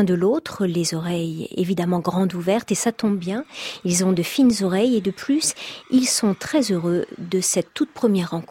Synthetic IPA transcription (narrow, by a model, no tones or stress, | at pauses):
ɛ̃d̪əlot̪χlezɔʁɛjḛvid̪amɑ̃ɡʁɑ̃d̪uvɛʁt̪esat̪ɔ̃bbjɛ̃ilzɔ̃d̪əfinzɔʁɛjed̪əplysilsɔ̃t̪χɛzøʁød̪əsɛt̪ːut̪̚pχəmjɛʁːɑ̃k